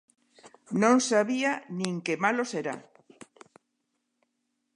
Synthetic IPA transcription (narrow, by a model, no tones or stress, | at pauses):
nõŋsaβianĩŋkemaloseɾa̰